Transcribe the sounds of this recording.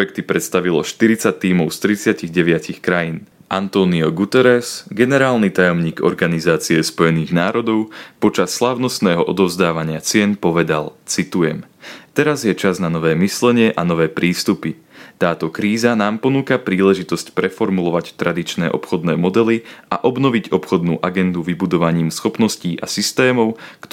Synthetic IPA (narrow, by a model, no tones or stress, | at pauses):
jɛk̚t̪ipɾɛt̪st̪aʋilɔ̰ʃt̪iɾit͡sat̪ːiːmɔʊst̪ɾit͡sɪaciɣɟɛʋɪacixkɾajiːn | ʔant̪ɔːniɔɡut̪ɛɾɛsɡɛnɛɾaːlnit̪ajɔmɲiːɡɔ̰ɾɡanizaːt͡siɛspɔjɛniːɣnaːɾɔd̪ɔʊpɔt͡ʃasːlaːʊnɔst̪nɛːɦɔʔɔd̪ɔʊzd̪aːʋaɲɪat͡sɪɛnpɔʋɛd̪alt͡sit̪ujɛmt̪ɛɾazjɛt͡ʃaznanɔʋɛːmislɛɲɪɛʔanɔʋɛːpɾiːst̪upi | t̪aːt̪ɔkɾiːzanaːmpɔnuːkapɾiːlɛʒit̪ɔscpɾɛfɔɾmulɔʋact̪ɾad̪it͡ʃnɛːʔɔpxɔd̪nɛːmɔd̪ɛliʔa̰ʔɔbnɔʋiɟɔpxɔd̪nuːʔaɡɛnd̪uʋibud̪ɔʋaɲiːmsxɔpnɔsciːʔa̰sist̪ɛːmɔʊkt̪